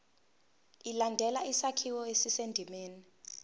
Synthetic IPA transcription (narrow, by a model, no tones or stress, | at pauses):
ilandʱɛlaisakʰiwɔesisendʱimeːni